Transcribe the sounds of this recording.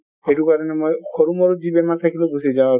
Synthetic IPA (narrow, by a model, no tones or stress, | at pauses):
eʈukaɾɔnemɔjkʰɔɾumɔɾud͡ʒibɛmat̪ʰakʰiluɡusied͡ʒãa